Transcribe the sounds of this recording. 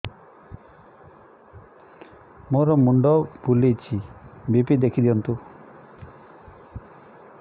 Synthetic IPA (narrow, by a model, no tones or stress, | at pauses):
moɾɔmuɳɖɔbulejt͡ʃʰibipid̪ekʰid̪iɔnt̪u